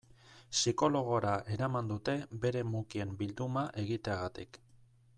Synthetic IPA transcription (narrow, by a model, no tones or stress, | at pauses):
siko̞lo̞ɣ̞o̞ɾaʔe̞ɾamand̪ut̪e̞be̞ɾe̞mukie̞mbild̪umaʔe̞ɣit̪e̞aɣat̪ik